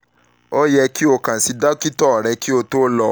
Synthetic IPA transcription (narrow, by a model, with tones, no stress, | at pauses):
o˦jɛ˧ki˦o˧kã˨si˧da˦ki˦tɔ˦˨ɾɛ˧ki˦o˧to˦lɔ˧